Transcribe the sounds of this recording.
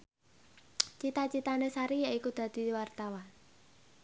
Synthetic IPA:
t͡ʃit̪at͡ʃit̪anesaɾijaʔikud̪̥a̤d̪̥i̤wart̪awan

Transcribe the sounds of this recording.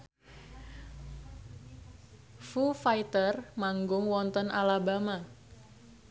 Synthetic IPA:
fufajit̪ərmaŋɡʊŋwɔnt̪ɔnʔalabama

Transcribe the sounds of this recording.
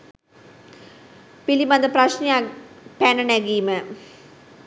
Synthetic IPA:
pilimɐnd̪ɐprɐɕnijapænɐnæɡiːmə

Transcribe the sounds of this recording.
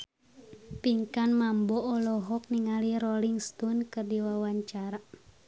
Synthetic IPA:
piŋkanmambɔɔlɔɦɔk̚niŋaliɾɔliŋst̪unkərdiwawaɲt͡ʃaɾa

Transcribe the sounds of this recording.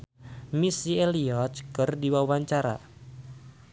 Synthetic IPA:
misieliɔt̪̚kɨrdiwawaɲt͡ʃaɾa̰

